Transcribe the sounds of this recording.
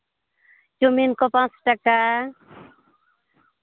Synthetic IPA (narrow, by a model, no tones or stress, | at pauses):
d͡ʒuminkopãt͡sʈaka